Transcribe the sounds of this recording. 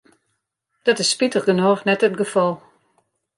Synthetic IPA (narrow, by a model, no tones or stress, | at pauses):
d̥ɔtɪsːpitəχɡənoːxnɛtətɡəfɔlˠ